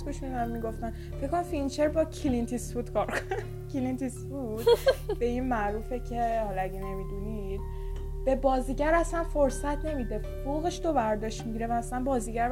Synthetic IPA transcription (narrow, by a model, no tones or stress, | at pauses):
ɡuʃmid̪ænmiɡo̞ft̪æn | fekʰːonæmfinit͡ʃʰeɾbɒcʰilint̪ʰisfud̪kʰɒːɾkʰonæ | cʰilint̪isfud̪̥b̥e̞inmæʔɾuːfecʰe̞hɒlɒæɟene̞mid̪unid̪̥ | b̥e̞bɒːziːɟæɾæsænfoɾsæt̪ʰne̞mid̪e̞foɣeʃd̪obæɾd̪ɒːʃt̪miɟiɾevæːslænbɒːziːɟæɾ